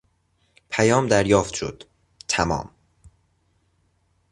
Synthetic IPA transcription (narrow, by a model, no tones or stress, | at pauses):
pʰæjɒːmd̪æɾjɒːft̪ʃo̰d̪̥ | t̪ʰæmɒ̰ːm